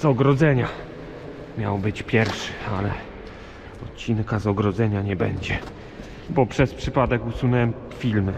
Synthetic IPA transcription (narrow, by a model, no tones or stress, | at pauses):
zɔɡɾɔd̪zɛɲa | mʲjawbɘt͡ɕpʲjɛɾfʂɘ̥alɛ | ɔt̪t͡ɕinkazɔɡɾɔd̪zɛɲaɲɛbɛ̰ɲd͡ʑɛ | bɔpʂɛspʂɘpad̪ɛkusunɛwɛm | fʲilm